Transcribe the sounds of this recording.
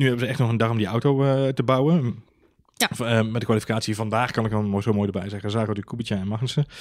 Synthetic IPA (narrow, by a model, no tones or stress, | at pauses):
nyɦɛbəzəɛχtnɔχəndɑrɔmdiawtowtəbawə | mɛtdəkʋaːlifi̥kaːtsivɑndaːχkɑnɪkʋɔnmozomoːjdəbɛjzɛɣəzaːtykubit͡ʃəɛnmɑxənsə